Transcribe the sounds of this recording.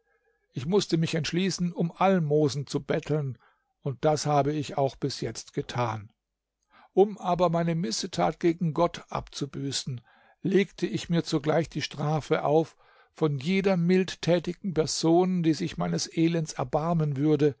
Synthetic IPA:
ʔɪçmʊstəmɪçɛntʃliːsn̩ʊmʔalmoːzn̩t͡subɛtʰl̩n | ʊnt̚d̥ashaːbəɪçaʊxb̥ɪsjɛt͡stɡ̥ətʰaːn | ʔʊmʔaːbɐmaɪnəmɪsətʰa̰ːt̚ɡ̥eːɡŋ̩ɡɔtʰʔa̰pt͡subyːsn̩ | leːktʰəʔɪçmiːɐt͡suɡlaɪçd̥iːʃtʁ̥aːfəʔa̰ʊf | fɔnjeːdɐmɪlttʰɛːtɪɡŋ̩pɛɐzoːndiːzɪçmaɪnəsʔeːlɛntt͡sɛɐbaɐmənvʏɐdə

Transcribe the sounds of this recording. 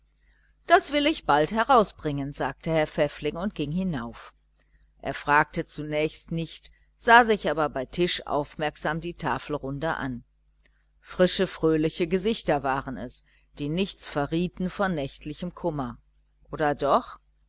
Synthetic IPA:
d̥asv̥ɪlɪçb̥althɛʁaʊsb̥ʁɪŋənzaːk̚təhɛɐfɛflɪŋʊnt̚ɡ̥ɪŋhɪnaʊf | ʔḛːɐfʁ̥aːk̚tət͡sunɛːçstnɪçt | z̥aːzɪçʔaːbɐbaɪtʰɪʃʔa̰ʊfmɛɐkz̥aːmdiːtʰaːfl̩ʁʊndəʔa̰n | fʁ̥ɪʃəfʁ̥øːlɪçəɡəzɪçtɐvaːʁənɛs | d̥iːnɪçt͡sfɛɐʁiːtn̩fɔnːɛçtʰlɪçəmkʰʊmɐ | ʔoːdɐdɔχ

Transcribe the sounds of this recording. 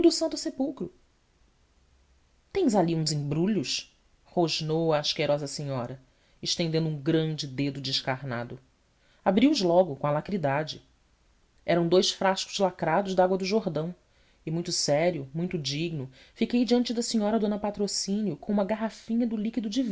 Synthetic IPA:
d̪ʊsɐ̃nt̪ʊsepuwkɾʊ | t̪ẽj̃zaliũzĩbɾuʎʊs | hoʒnowɐːʃkeɾɔzɐsẽɲɔɾɐ | ɪʃt̪ẽnd̪ẽnd̪ũɡɾɐ̃nd͡ʒɪd̪ed̪ʊd͡ʒɪʃkaɾna̰d̪ʊ | abɾiʊzlɔɡʊkõɐlakɾid̪ad͡ʒɪ | ɛɾɐ̃w̃d̪ojsfɾaʃkʊ̥zlakɾad̪ʊʒd̪ɐaɡwɐd̪ʊʒoɾd̪ɐ̃w̃ | ɪmũj̃t̪ʊsɛɾjʊmũj̃t̪ʊd͡ʒiɡnʊ | fikejd͡ʒiɐ̃nt͡ʃɪd̪ɐsiɲɔɾɐd̪õnɐpat̪ɾosĩnijʊkõũmɐɡaɦafĩɲɐd̪ʊlikid̪ʊd͡ʒiv

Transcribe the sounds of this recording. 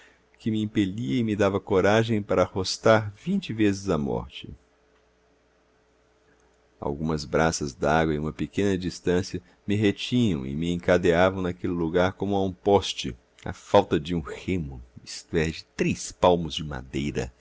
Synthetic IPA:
kɪmɪĩpeliɐɪmɪd̪avɐkoɾaʒẽj̃paɾɐahost̪aɾvĩnt͡ʃɪvezɪzɐmɔ̰ɾt͡ʃɪ | a̰wɡũmɐzbɾasɐzd̪aaɡwɐɪũmɐpekẽnɐd͡ʒist̪ɐ̃sjɐ | mɪɦet͡ʃĩɲɐ̃w̃ɪ̰mɪẽŋkad̪eavɐ̃w̃nɐkelɪluɡaɾkõmʊaũpɔst͡ʃɪ̰ | ɐ̰fawt̪ɐd͡ʒɪũhẽmʊist̪ʊɛd͡ʒɪt̪ɾejspawmʊzd͡ʒɪma̰d̪ejɾɐ̰

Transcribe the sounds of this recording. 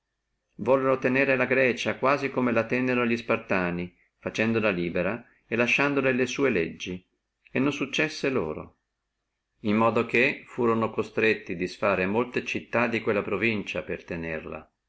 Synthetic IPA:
vɔlːenot̪eneːɾelaɡɾɛːt͡ʃakwaːzikomelat̪ɛnːenoʎispart̪aːni | fat͡ʃɛnd̪olaliːbeɾa | elaʃːand̪olelesuːeled͡ʒːi | enːõnsut͡ʃːɛsːelo̰ːɾo̰ | imːɔːd̪ok̟efuːɾonokost̪ɾet̪ːid̪isfaːɾemolt̪et͡ʃit̪ːad̪ːikwelːapɾovint͡ʃapert̪enerla̰

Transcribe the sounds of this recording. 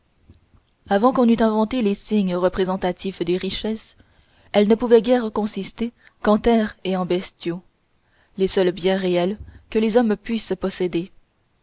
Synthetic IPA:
avɑ̃kɔ̃nyt̪ɛ̃vɑ̃t̪elesiɲʁəpχezɑ̃t̪at̪ifd̪eʁiʃɛs | ɛlnəpuvɛɡʲɛʁkɔ̃sist̪e | kɑ̃t̪ɛʁeɑ̃bɛst̪jo | lesœlbjɛ̃ʁeɛlkəlezɔmpɥispɔsed̪e

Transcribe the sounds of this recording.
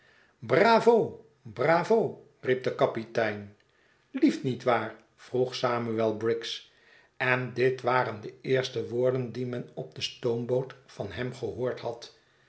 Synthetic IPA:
braːvo | braːvow | rip̚dəkɑpitɛjn | liftnitʋaːɹ | v̥ruχsaːmyɛlˠbrɪks | ɛndɪtʋaːɾəndəɪːɹstəʋoːɹdəndimɛnɔb̚dəstowmbowtfɑnɦɛmχəɦʊːɹthɑt

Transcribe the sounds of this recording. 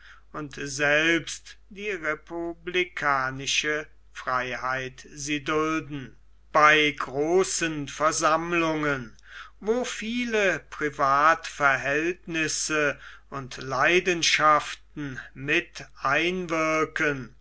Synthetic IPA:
ʊntzɛlpstd̥iːʁepublikʰaːnɪʃə | fʁ̥aɪhaɪtziːdʊldn̩ | b̥aɪɡʁoːsənfɛɐzamlʊŋən | voːfiːləpʁ̥ivaːtfɛɐɦɛltnɪsəʊntlaɪdənʃaftn̩mɪtʔaɪnvɪɐkən

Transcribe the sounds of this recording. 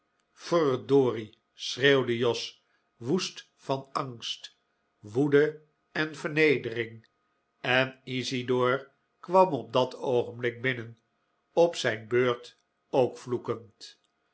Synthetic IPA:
fɔrdoːri | srewdəjɔs | ʋust | fɑnɑŋst | ʋudə | ɛnvəʁnejdərɪŋ | ɛnisidoːɹ | kʋɑmɔb̚dɑtowχənblɪk̚bɪnən | ɔpsɛjnbøːɹt | owkflukənt

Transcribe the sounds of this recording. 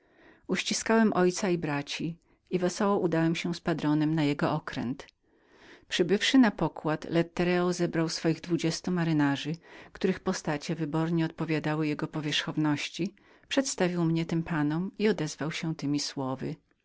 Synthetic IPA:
uɕt͡ɕiskawɛmʔɔjt̪saibɾat͡ɕi | ivɛsɔwɔʔud̪awɛmɕɛspad̪ɾɔnɛmnajɛɡɔɔkɾɛ̰nt̪ | pʂɘbɘfʂɘnapɔkwat̪lɛt̪ːɛɾɛɔzɛbɾawsfɔjiɣd̪vud͡ʑɛst̪umaɾɘnaʐɘkt̪uɾɘxpɔst̪at͡ɕɛvɘbɔɾɲɛɔt̪̚pɔvʲjad̪awɘjɛɡɔpɔvʲjɛʂxɔvnɔɕt͡ɕi | pʂɛt̪st̪avʲiwmɲɛt̪ɘmpʰanɔmiɔd̪ɛzvawɕɛt̪ɘmʲiswɔvɘ̰

